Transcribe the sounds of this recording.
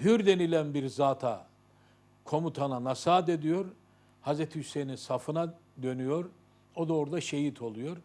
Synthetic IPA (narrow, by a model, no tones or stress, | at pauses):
hyɾd̪e̞nilʲænbiɾzaːt̪ʰa | kʰo̞mut̪ʰananasaːt̪e̞d̪ijo̞ɾ | hazɾɛt̪ʰihyse̞jninsafɯna | d̪ø̞nyjo̞ɾ | od̪oːɾud̪aʃe̞jit̪ʰo̞lˠujo̞ɾ